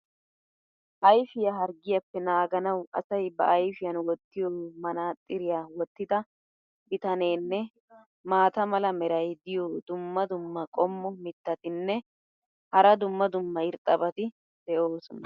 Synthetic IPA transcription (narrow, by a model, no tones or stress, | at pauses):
ʔɐjfɪjɐɦɐɾɡɪjɐpːɛnaːɡɐnɐwʔɐ̰sɐjbɐʔɐjfɪjɐnwɔt̪ːɪjoːmɐnaːt̪ʼːɪɾɪjaːwɔt̪ːɪd̪ɐ | bɪt̪ɐneːnːɛ | maːt̪ɐmɐlɐmɛɾɐjd̪ɪjoːd̪ʊmːɐd̪ʊmːɐkʼɔmːɔmɪt̪ːɐt̪ɪnːɛ | hɐɾɐd̪ʊmːɐd̪ʊmːɐɪɾt̪ʼɐbɐt̪ɪ | d̪̥ɛʔoːsʊnɐ